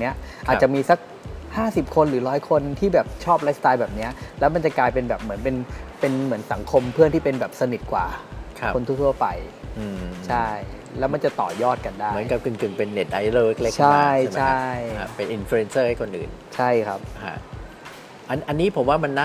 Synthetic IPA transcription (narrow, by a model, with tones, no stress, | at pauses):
ni˦˥ɐʔʔaː˨˩t̚t͡ɕa˨˩miː˧sa˦˥k̚ | haː˥˩si˨˩p̚kʰo˧nɾɯː˩˦ɾɔː˦˥jkʰo˧nt̪ʰiː˥˩bɛː˨˩p̚t͡ɕʰɔː˥˩p̚la˦˥st̪aː˧jbɛː˨˩p̚ni˦˥ɐlɛː˦˥wma˧nt͡ɕa˨˩klaː˧jpe˧nbɛː˨˩p̚mɯ˩˦ənpe˧npe˧nmɯ˩˦ənsa˩˦ŋkʰo˧mpʰɯ˥˩ət̪iː˥˩pe˧nbɛː˨˩p̚sa˧ni˨˩t̪̚kwa̰ː˨˩kʰko˧nt̪ʰu˥˩kt̪ʰu˥˩ɐpa˧j | ʔɯː˧t͡ɕʰa˥˩j | lɛː˦˥wma˧nt͡ɕa˨˩t̪ɔ̰ː˨˩jɔː˥˩t̪̚ka˧ndaː˥˩m˩˦ənka˨p̚kɯ˧˩ŋkɯ˨˩ŋpe˧nːe˨˩t̪̚ʔa˧jloː˧˩le˦˥k̚le˦˥kt͡ɕʰa˥˩˧jt͡ɕʰa˥˩jpe˧nʔi˧nflu˧e˧nsɤː˥˩ha˥˩kʰo˧nʔɯ̰ː˨˩nt͡ɕʰa˥˩jkʰɾa˦˥p̚hʰa̰˧˥˩ | ʔa˧nʔa˧nːiː˦˥pʰo˩˦mwaː˥˩ma˧nːa˦˥